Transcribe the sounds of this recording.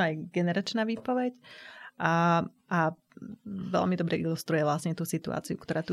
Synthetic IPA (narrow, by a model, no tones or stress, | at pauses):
ajɡɛnɛɾat͡ʃnaːʋiːpɔʋɛcː | ʔa | ʋɛ̰lmid̪ɔbɾɛʔilust̪ɾujɛʋlasɲɛt̪uːsit̪ṵa̰ːt͡siukt̪ɔɾaːt̪u